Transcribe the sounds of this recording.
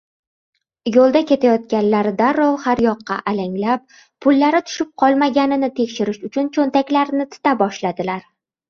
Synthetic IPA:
jolˠd̪akʲʰe̞t̪ʰajɒt̪̚kʲanlaɾd̪aɾːɒlˠhaɾjɒqːɑ̰ʔalaŋʲlap̚ʰː | ʊlːaɾɪt̪ʰʊ̥ʃɪp̚qʰɒlˠmaɡʲanɪnɪt̪ʰekʲʃɪɾɪʃʊt͡ʃʰʊnt͡ʃʰont̪akʲlaɾnɪt̪ʰɪ̥t̪abɒʃlad̪ɪlaɾ

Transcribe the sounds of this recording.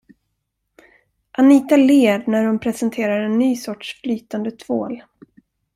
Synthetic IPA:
ʔaniːt̪aleːd̪næɾhʊnpʰɾɛsɛnt̪ʰeːɾaɾɛnːyːsɔʈʂflyːt̪and̪ət̪ʰvoːl

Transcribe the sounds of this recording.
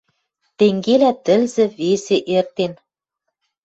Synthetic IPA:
t̪eŋɡelæt̪ɘ̆lzɘ̆βeseʔert̪en

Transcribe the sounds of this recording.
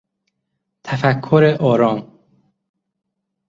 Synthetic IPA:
t̪ʰæfækʰːoɾeʔɒːɾɒːm

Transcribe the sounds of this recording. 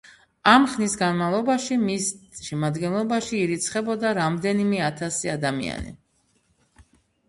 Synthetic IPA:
amχnisɡanmalˠɔbaʃimisʃɛmad̪ɡɛnlˠɔbaʃiːɾit̪sʰχɛbɔd̪aɾamd̪ɛnimɛat̪ʰasiad̪amḭa̰nḭ

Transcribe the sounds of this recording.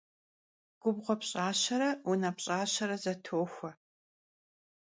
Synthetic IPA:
ɡ̥ʷʊbʁʷɔpɕʼaːɕɐɾɐʊnɐpɕʼaːɕɐɾɐzɐtʰoːxʷɐ

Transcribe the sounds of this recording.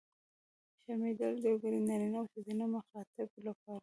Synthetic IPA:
ʃamid̪əld̪əwɡəɾinɑɾinawsɪzinomaxɑt̪ɪblapɑɾa

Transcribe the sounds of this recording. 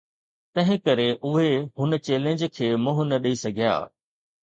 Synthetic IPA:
t̪ɐ̃ɦɪ̃kɐɾeʔʊɦeɦʊnə̆t͡ɕeːlẽɲd͡ʑkʰeːmʊ̃ɦʊnɐɗɐisɐɡʱija̰ː

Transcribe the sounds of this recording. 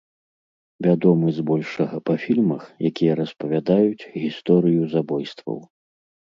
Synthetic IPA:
vʲad̪ɔmɨzbɔlʲʂɐɣɐpɐfʲilʲmɐxjakʲijɐɾɐspɐvʲad̪ajut͡sʲɣʲist̪ɔɾɨjuzabɔjst̪vɐ̰w

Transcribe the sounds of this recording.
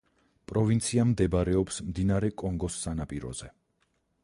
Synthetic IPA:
pʼɾɔvint̪sʰiamd̪ɛbaɾɛɔpsmd̪inaɾɛkʼɔŋɡɔsːanapʼiɾɔ̰z̥ɛ

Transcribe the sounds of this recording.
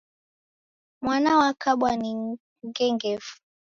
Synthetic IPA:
mwanawakaɓwani | ŋɡɛŋɡɛvu̥

